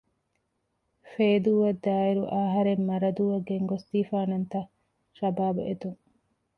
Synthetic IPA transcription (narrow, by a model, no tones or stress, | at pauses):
feːd̪uːʋɐd̪ːaːiɾuʔaːɦɐɾemːɐɾɐd̪uːʋɐɡeŋɡosd̪iːfaːnɐnt̪ɐ | ʃɐbaːbuʔet̪uŋ